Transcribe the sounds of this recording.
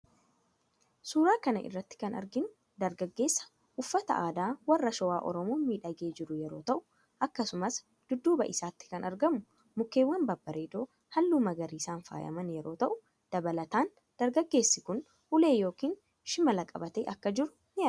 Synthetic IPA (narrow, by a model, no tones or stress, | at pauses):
suːɾaːkɐnɐ̰ʔɪ̰rːɐt̪ːɪ̥kɐnɐ̰ɾɡɪnʊ | d̪ɐɾɡɐɡːe̞ːsːɐ̥ | ʔʊfːɐt̪ɐ̰ʔaːd̪aːwɐrːɐʃɔwaːʔɔ̰ɾɔmoːmiːᶑɐɡeːd͡ʒɪɾʊjɛɾo̞ːt̪ɐʔʊ̥ | ʔɐkːɐsʊmɐs | d̪̥ʊd̪ːuːbɐ̰ʔɪsaːt̪ːɪ̥kɐnɐɾɡɐmʊ | mʊkːeːwːɐnbɐbːɐɾeːd̪o̞ː | hɐlːuːmɐɡɐɾiːsaːnfa̰ːjɐ̰mɐnjɛɾo̞ːt̪ɐʔʊ | d̪̥ɐbɐlɐt̪aːn | d̪̥ɐɾɡɐɡːe̞ːsːɪkʊn | hʊle̞ːjo̞ːkiːn | ʃɪmɐlɐkʼɐ̰bɐt̪ḛːʔɐkːɐd͡ʒɪɾʊ̥ | nɪʔɐ